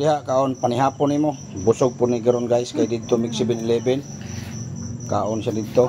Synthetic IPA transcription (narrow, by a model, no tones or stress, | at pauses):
diɦaʔkaʔonpaniɦapʊnimo | busʊɡ̚pʊniɡəɾɔnɡajskajdid̪̚t̪omiksibɪnlɛbɛl | ka̰ʔɔnsadid̪̚t̪o